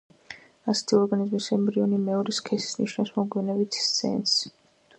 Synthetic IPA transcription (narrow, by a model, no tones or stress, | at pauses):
asɛ̥t̪ʰiɔɾɡanizmisɛmbɾiɔnimɛɔɾiskʰɛsi̥sniʃnasmɔɡwɛnɛbit̪ʰsɛ̰ns